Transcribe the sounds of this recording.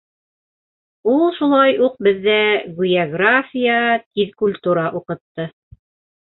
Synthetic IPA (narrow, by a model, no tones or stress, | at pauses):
ulˠʃulˠɑjuq̚bɘ̆ðːæɡujaɡrafʲijat̪iðkulʲt̪uɾɑʔuqɤ̆t̪ːɤ